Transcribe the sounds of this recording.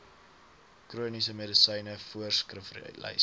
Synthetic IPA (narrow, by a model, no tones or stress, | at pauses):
kruənisəmedisəjnəfuərskrəfrlɛ̰j